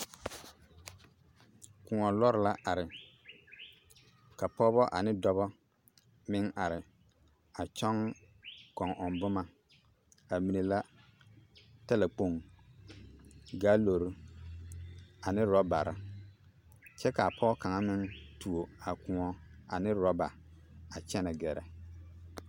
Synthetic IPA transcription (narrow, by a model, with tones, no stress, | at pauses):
kʊ˨ŋɔ˨lɔ˦ɾɪ˦la˦a˨ɾɪ˨ | ka˨pɔ˦bɔ˦ʔa˨nɪ˦dɔ˦βɔ˦ | mɪ˦ŋa˨ɾɪ˨ | a˨t͡ʃɔ˦ŋ˦ | kɔ˨ŋʔɔ˨nbʊ˦ma˨ | a˨mi˨ne˨la˦ | ta˦la˨k͡po˦˨ŋ | ɡaː˦lo˨ɾu˦ | a˨nɪ˦ɾɔ˦ba̰˨ɾʔa̰˦ | t͡ʃɛ˦ka˨a˨pʰɔ˦ka˨ŋa˦mɪ˦ŋtu˨o˨a˨kʊ̃˨ŋɔ˦a˨nɪ˦ɾɔ˦ba˨ | a˨t͡ʃɛ˦na˨ɡɛ˨ɾɛ̰˨